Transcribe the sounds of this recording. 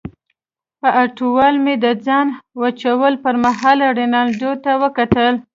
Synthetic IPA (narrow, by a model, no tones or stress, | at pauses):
pəʔaʈuwɑlmed̪əd͡zɑnwat͡ʃawəlpəɾmaɦɑlaɽenɑld̪ot̪awəkat̪əl